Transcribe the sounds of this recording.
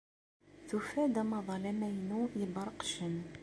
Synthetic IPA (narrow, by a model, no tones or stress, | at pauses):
θufæd̪æmɑðˤɑlæmæjnujəbɑɾˤəqʃən